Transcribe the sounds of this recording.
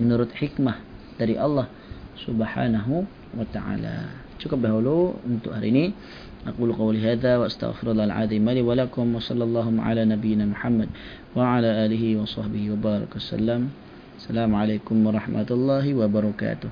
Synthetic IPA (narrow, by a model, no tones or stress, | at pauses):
mɪnʊɾˤɑt̪ħɪkmad̪̥aɾḭːʔɑlˤːɑh | sʊbħa̰ːnaɦ | wat̪aʕa̰ːla̰ | ʃukabɪhaluːʔɪnt̪ʊʔa̰ɾḭni | ʔɑquːlqɑwliɦaːðawaʔast̪a̰ɣfɪɾɑlˤːɑːlʕa̰ðimaliːwalakʊmwɑsˤɑlːɑlˤːɑːɦhʊmʕa̰laːnabɪjːɪnamʊħamːad̪ | waʕalaːʔaːlɪhiwɑsˤɑħbɪhiwabɑːɾˤɑ̰kwasa̰lːam | asːalaːmʕaleːkʊmwɑɾˤɑħmʔat̪lˤːɑːɦwabɑɾˤɑka̰ːt̪ʊh